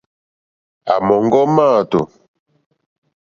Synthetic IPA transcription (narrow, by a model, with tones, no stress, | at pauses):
a̰˨mɔ˨ŋɡɔ˦maː˦˨to˨